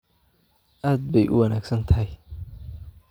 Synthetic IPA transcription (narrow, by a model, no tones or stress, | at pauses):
ʔaːd̪̚bɛjʔʊ̰wɐnaːɡsɐnt̪ʰɐɦɪj